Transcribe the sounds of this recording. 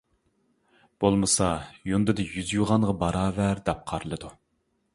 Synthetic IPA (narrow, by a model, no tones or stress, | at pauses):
b̥olˠmɨsɑjund̪ɨd̪ɨjyzjuʁɑɴʁɑbɑɾɑːvæɾd̪ɛp̚qʰɑɾɨlˠɨd̪u